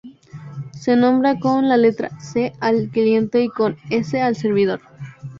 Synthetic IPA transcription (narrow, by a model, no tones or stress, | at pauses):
se̞nõ̞mbɾakonlale̞t̪ɾa̰se̞alklje̞nt̪e̞iko̞nesealse̞ɾβið̞o̞ɾ